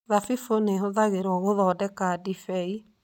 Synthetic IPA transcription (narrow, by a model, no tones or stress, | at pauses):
ðafifoneɦoðaɣeɾɔɣoðɔːdɛkadifɛi